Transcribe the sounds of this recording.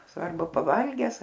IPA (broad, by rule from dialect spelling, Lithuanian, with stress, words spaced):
ˈsʋɐrbʊ pɐˈʋɐlʲɡʲɛs